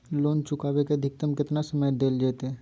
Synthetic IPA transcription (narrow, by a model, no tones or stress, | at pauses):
loːnt͡ʃʊkaːʋeked̪ʱɪk̚t̪əmkɪt̪nasəməjd̪eːld͡ʒeːt̪ɦɛː